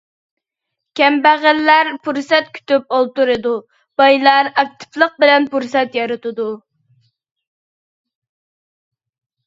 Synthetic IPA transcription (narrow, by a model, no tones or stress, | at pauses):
kʲʰɛmbæʁəlːæɾpʰuɾsɛt̪̚kʲʰy̥t̪yp̚olˠt̪uɾɨd̪u | b̥ɑjlˠɑɾɑk̚t̪ʰɨ̥plˠəq̚bɪlɛnpuɾsɛt̪jɑɾɨt̪ɨd̪u